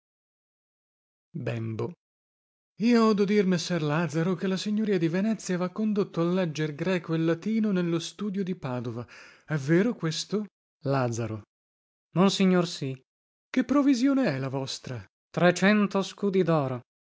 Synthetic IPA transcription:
bɛmbo | iːoɔːd̪od̪irmesːɛrlaːd̪zaɾokelːasiɲːoɾiːad̪ivenɛt̪sːjavakːond̪ot̪ːoalːɛd͡ʒːerɡɾɛːkoelːat̪iːnonelːost̪uːd̪jod̪ipaːd̪ovaɛveːɾokwest̪o | lad̪zaɾo̰ | monsiɲːorsi | kepːɾovizjoːneɛlavɔst̪ɾa | t̪ɾet͡ʃɛnt̪oskuːd̪id̪ɔːɾo

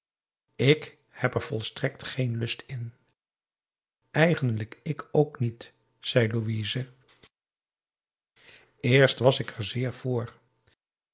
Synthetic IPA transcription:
ɪk | hɛpɛɹv̥ɔlˠstrɛktχejnlɵstɪn | ɛjχəndləkɪkʰowknit | z̥ɛjluʋiːzə | ɪːɹstʋɑsɪkɛɹzɪːɹv̥ʊːɹ

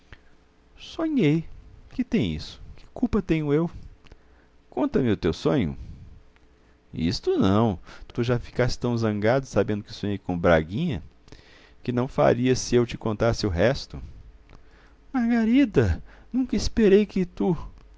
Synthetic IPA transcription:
sõɲejkɪt̪ẽj̃ḭsʊ̥kɪ̥kupɐt̪ẽɲʊew | kõnt̪ɐmɪʊt̪ewsõɲʊ̰ | ḭst̪ʊnɐ̃w̃t̪t̪uʒafi̥kast̪ɪ̥t̪ɐ̃w̃zɐ̃ŋɡad̪ʊsabẽnd̪ʊkɪsõɲejkõbɾa̰ɡĩɲɐ̰ | kɪnɐ̃w̃fa̰ɾiɐsɪewt͡ʃɪkõnt̪asɪʊɦɛst̪ʊ | maɾɡaɾid̪ɐnũkɐispeɾejkɪt̪u

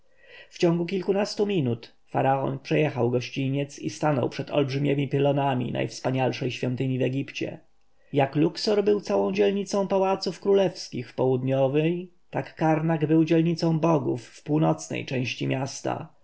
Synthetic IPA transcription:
ft͡ɕɔ̃ŋɡukʲilkunast̪umʲinut̪ | fa̰ɾaɔ̰npʂɛjɛxawɡɔɕt͡ɕiɲɛt̪sist̪anɔ̰wpʂɛt̪ɔ̰lbʐɘmʲɛmʲipɘlɔnamʲḭna̰jfspaɲalʂɛjɕfʲjɔ̃nt̪ɘɲivɛɡʲipt͡ɕɛ̰ | jakluksɔɾbɘwt̪sawɔ̃w̃d͡ʑɛlɲit̪sɔ̃w̃pawat̪sufkɾulɛfskʲixpɔwud̪ɲɔvɛj | t̪akːaɾnaɡbɘwd͡ʑɛlɲit̪sɔ̃w̃bɔɡṵfːpuwnɔt̪snɛ̰jt͡ʂɛ̃w̃ɕt͡ɕimʲjʔast̪a̰

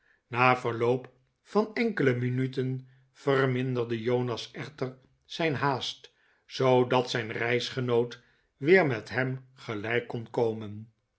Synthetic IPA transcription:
naːvəɹlowp | fɑnɛŋkələminytən | v̥ərmɪndərdəjownɑsɛχtər | sɛjnɦaːst | sowdɑtsɛjnrɛjsχənowt | ʋɪːɹmɛtɦɛmχəlɛjkːɔnkowmən

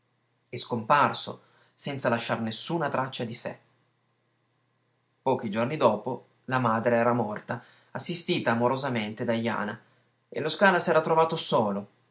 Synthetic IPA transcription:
ɛskomparso̰ | sɛnt̪salaʃːarnesːuːnat̪ɾat͡ʃːad̪isḛ | pɔːk̟id͡ʒornid̪ɔːpo | lamaːd̪ɾeɛːɾamɔrt̪a | asːist̪iːt̪aːmoɾozament̪ed̪ajːa̰ːna | ḛloskaːnasɛːɾat̪ɾovaːt̪osoːlo

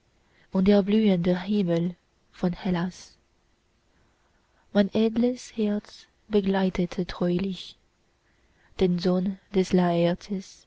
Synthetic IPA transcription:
ʔʊnt̚d̥eːɐblyːəndəhɪməl | fɔnhɛlas | maɪnʔeːdləshɛɐt͡s | b̥əɡlaɪtʰətʰədʁ̥ɔʏlɪç | d̥eːnzoːnd̥ɛslaɛtʰəs

